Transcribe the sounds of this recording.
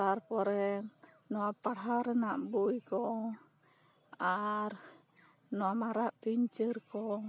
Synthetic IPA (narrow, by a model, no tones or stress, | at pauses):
t̪arpɔɾɛ | noapaɽɦaɾənaʔbuikɔ | ar | noamaɾaʔpiɲt͡ʃərkɔ